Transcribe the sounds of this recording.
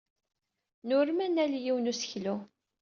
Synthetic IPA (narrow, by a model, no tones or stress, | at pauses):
nʊɾmænæljiwnusə̥çlu